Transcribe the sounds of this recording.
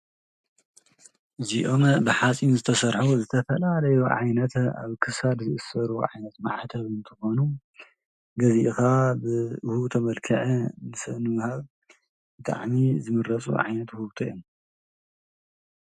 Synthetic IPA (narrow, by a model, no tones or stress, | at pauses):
ɨziʔombɨħat͡sʼinzɨt̪ʰɐsɐɾħuzɨt̪ʰɐfɐlalɐjuʕajnɐt̪a̰βkʰɨsad̪zɨʔɨsːɐɾuʕajnɐt̪ma̰ʕt̪ʰɐβɨnt̪ʰɨxo̞nu | ɡɐziʔɨxabɨhut̪ʰɐmɐlkʰɨʕɨnɨsɐnɨwhaβ | bɨt̪ʼa̰ʕmizɨmɨɾɐt͡sʼṵʕa̰jnɐt̪huβt̪ʰojom